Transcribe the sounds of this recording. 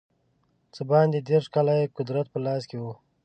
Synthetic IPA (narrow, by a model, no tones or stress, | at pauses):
t͡səbɑ̃ːnd̪ed̪eːɾʂkalaekʊd̪ɾat̪̚pəlɑːskewu